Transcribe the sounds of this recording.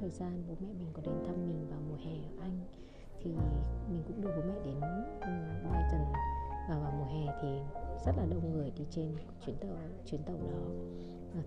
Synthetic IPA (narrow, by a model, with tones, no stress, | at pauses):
t̪ʰəː˨˩jzaː˧nɓo̰˨˦mɛ̰˧˨mï˨˩ŋ̟kɔ˨˦ɗe˨˦nt̪ʰa˧mmï˨˩ŋ̟vaː˨˩wmu˨˩hɛ˨˩ʔə˧˩ʔa˧jŋ̟ | t̪ʰi˨˩mi˨˩ŋ̟kʊ̰˧˥ŋ͡mɗɨ˧˩ɓo˨˦mɛ̰˧˨ɗe˨˦n˨˧˨ɓmɛ̰˧˨zə˨˩ŋvaː˨˩wvaː˨˩wmu˨˩ɦɛ˨˩t̪ʰi˨˩zə˦˥t̚laː˨˩ɗə˧˩wŋ͡mŋɨ˨˩əjɗi˧t͡ɕe˧n | t͡ɕwi˨˦nt̪ə˧˨ | t͡ɕwi˨˦ənt̪ə˧˩wɗɔ˨˦˨